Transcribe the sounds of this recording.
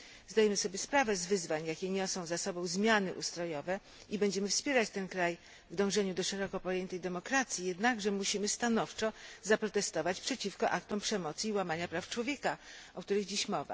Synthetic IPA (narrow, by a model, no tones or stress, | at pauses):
zd̪ajɛmɘsɔbʲjɛspɾavɛzvɘzvaɲjakʲɛɲɔsɔ̃w̃zasɔbɔ̃w̃zmʲjanɘʔust̪ɾɔjɔvɛ | ibɛɲd͡ʑɛmɘfspʲjɛɾat͡ɕt̪ɛnkɾaj | vd̪ɔ̃w̃ʐɛɲud̪ɔʂɛɾɔkɔpɔjɛnt̪ɛjd̪ɛmɔkɾat̪sʲjijɛd̪naɡʐɛmuɕimɘst̪anɔft͡ʂɔzapɾɔt̪ɛst̪ɔvat͡ɕpʂɛt͡ɕifkɔʔakt̪ɔmpʂɛmɔt̪siːwamaɲapɾaft͡ʂwɔvʲjɛkaʔɔkt̪uɾɘɣd͡ʑiɕmɔva̰